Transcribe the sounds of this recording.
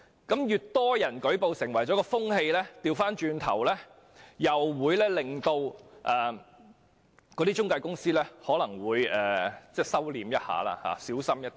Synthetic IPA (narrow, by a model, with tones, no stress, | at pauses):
kɐ˨˥mjyː˨t̚t̪ɔː˥jɐ˨˩nkɵ˨˥ɥpo˨˧wsɪ˨˩ŋwɐ˨˩jt͡sɔː˨˥kɔː˧fʊ˥ŋhe˧jlɛː˥t̪iː˧wfaː˥nt͡ʃyː˧nt̪ʰɐ̰˨˩wlɛː˥ | jɐ˨wːuː˨˧jlɛː˥lɪ˨ŋt̪o˧wʔɐː˨˩ | kɔː˨˧t̪iː˥t͡ʃʊ˥ŋkaː˧jkʊ˥ŋsiː˥lɛː˥hɔː˨˥lɐ˨˩ŋwuː˨˧jɛː˨˩t͡sɛː˥˩sɐ˥wliː˨mjɐ˥t̚ha̰ː˨˥la̰ː˧ha̰ː˨˧siː˨˥wsɐ˥mjɐ˥t̪